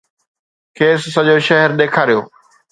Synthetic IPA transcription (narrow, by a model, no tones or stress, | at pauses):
kʰeːsːɐʄoʃɐɦɛɾɗ̪eːkʰaːɾijo̰ː